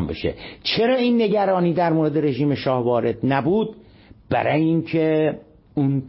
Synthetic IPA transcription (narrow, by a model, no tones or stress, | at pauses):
mbḛʃḛt͡ʃʰe̞ɾɒːiːnːe̞ɟæɾɒːniːd̪æɾmoːɾed̪e̞ɾe̞ʒiːme̞ʃɒːhvɒːɾe̞d̪næbuːd̪̚ | bæ̰ɾɒːjeiːŋkʰe | un